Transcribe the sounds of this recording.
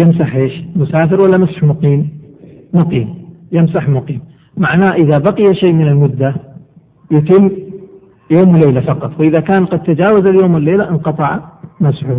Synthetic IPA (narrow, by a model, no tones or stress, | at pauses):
jɪmsaħʔeːʃmʊsaːfɪɾwalːamasħmʊqiːmmʊqiːmjɪmsaħmʊqiːm | maʕnaːʔɪðabɑqɨjaʃeːmɪnɪlmʊd̪ːa | jʊt̪ɪmː | joːmwleːlafɑqɑt̪ˤwɪʔɪðakaːnqɑd̪̚t̪ad͡ʒaːwazaljoːmwɪlːeːlaʔɪnqɑt̪ˤɑʕmasħʊ